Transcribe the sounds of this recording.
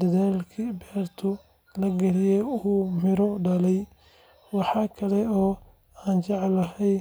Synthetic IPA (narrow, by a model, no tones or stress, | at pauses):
d̪ɐðaːlkʰibɛːrt̪ʰʊ | lɐɡɐlɪjɛuːmɪɾɔɖɐlɛj | wɑħɑːkʰɐlɛɔː | aːnt͡ʃɑʕlɐɦɛj